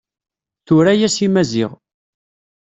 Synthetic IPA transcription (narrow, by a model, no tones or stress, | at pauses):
θʊɾæjæsimæzɪ̰ʁ